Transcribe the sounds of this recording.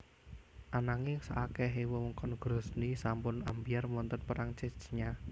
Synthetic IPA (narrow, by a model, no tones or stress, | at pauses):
ʔanaŋɪsaʔakɛɦewɔwəŋkɔnɡ̥ɾɔsnisampʊnambijarmɔnt̪ənpəɾaŋt͡ʃet͡ʃɲa